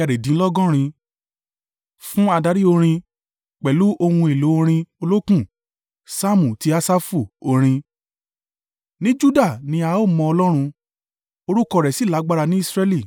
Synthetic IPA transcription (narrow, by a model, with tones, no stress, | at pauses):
a˧˨ɾe˨dĩ˨˦lɔ˦ɡɔ̃˦ɾ̃ĩ˧ | fũ˦a˧da˧˦ɾi˦o˧ɾ̃ĩ˧ | k͡pɛ˨lu˨˦ʔo˧hũ˧e˨lo˨˦o˧ɾ̃ĩ˧o˧lo˦kũ˦˨ | sa˦mũ˨ti˦a˧sa˦fu˦˨o˧ɾ̃ĩ˧ | nĩ˦d͡ʒu˦da˦˨nĩ˧a˧˦o˦˨mɔ̃˧ɔ˧lɔ˦ɾ̃ũ˧ | o˧ɾu˦kɔ˧˨ɾɛ˨si˨˦˨la˨˦ɡ͡ba˦ɾa˧nĩ˦i˦˧sɾɛ˦li˦˨